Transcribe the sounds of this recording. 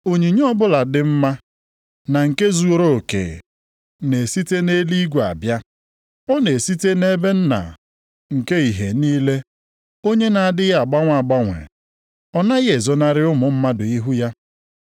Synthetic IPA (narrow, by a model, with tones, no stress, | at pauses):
o˨ɲi˨ɲ˦ɔ˦bʊ˦la˨dɪ˦m̩˦ma˦ | na˨ŋ̩˨ke˦zu˦o˦ɾo˦o˨kḛ˨ | ne˨si˦te˦ne˦li˦ɡʷa̰˨bja˦ | ɔ˦ne˨si˦te˦ne˦be˦n̩˦na̰˨ | ŋ̩˨ke˦i˨ɦe˨niː˦le˦ | o˦ɲe˦na˨a˨dɪ˦ɣa˨ɡ͡ba˦ŋʷa˨ɡ͡ba˦ŋʷḛ˨ | ɔ˦na˦ɣe˨zɔ˦na˦ɾɪ˦ʊ˦mʊ˨m̩˦ma˦dʊ˨i˦ɦu˦ja˦